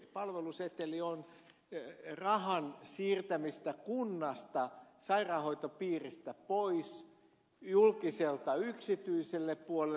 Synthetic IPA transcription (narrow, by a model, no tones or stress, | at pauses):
pɑlʋeluset̪ːelion | rɑhɑnsiːrt̪æmist̪ækunːɑst̪ɑsɑirɑːhoit̪opiːrist̪æpois | julkiselt̪ɑyksit̪yiselːeppuole